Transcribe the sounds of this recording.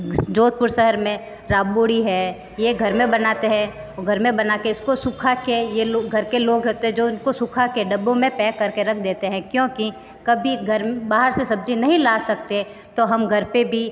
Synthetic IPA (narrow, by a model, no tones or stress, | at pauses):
d͡ʒoːt̪̚pʊɾsəɦəɾmẽ | ɾaːbboːɽiɦɛ | jeɡʱɐɾmẽbɐnaːt̪eɦɛ̃ | ɡʱɐɾmẽbɐnaːkeɪskosʊkʰakejeloɡʱɐɾkeloːɡɦot̪eɦɛ̃d͡ʒoːɪnkosʊkʰakeɖɐbõmẽpɛːkɐɾkeɾɐk̚ʰd̪eːt̪eɦɛ̃kjõːki | kɐbʱiɡʱɐɾbaːɦəɾsesɐb̚d͡ʒinɐɦĩlaːsɐk̚t̪e | t̪oɦɐmɡʱɐɾpebʱi